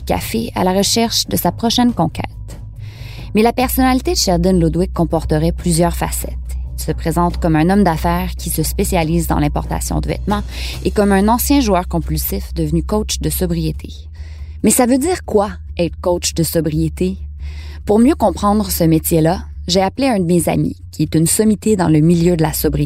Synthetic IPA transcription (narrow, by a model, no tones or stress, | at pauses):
kʲa̰fea̰laʁəʃɛʁʃd̪əsapχɔʃɛnkɔ̃kʲʰɛ̰ːt̪ | mɛlapɛʁsɔnalit̪ed̪əʃɛʁd̪ɪnlud̪wɪkʰːɔ̃pɔʁt̪əʁɛplyzjœːʁfa̰sɛ̰t̪ilsəpχezɑ̃t̪kɔmœ̃nɔmd̪afɛːʁkʲʰisəspesjaliːzd̪ɑ̰̃lɛ̃pɔ̰ʁt̪a̰sjɔ̰̃d̪əvɛ̰t̪mɑ̃ekɔmœ̃nɑ̃sjɛ̃ʒuœːʁkɔ̃pylsɪfd̪əvnykɔt͡ʃd̪əsɔbʁijet̪ʰe | mɛsavød̪iːʁkwaɛt̪χkɔwt͡ʃd̪əsɔbʁijet̪ʰe | puʁmjøkɔ̃pχɑ̃d̪ʁəsəmet͡sʲjelaʒeapleɛ̃d̪əmeza̰mḭkʲʰiɛt̪ynsɔmit̪ed̪ɑ̰̃ləmiljød̪əlasɔbʁi